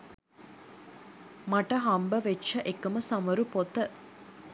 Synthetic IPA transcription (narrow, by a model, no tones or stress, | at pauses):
mɐʈɐɦɐmbəʋet͡ʃːɐʔekɐmɐsɐmɐɾupot̪ə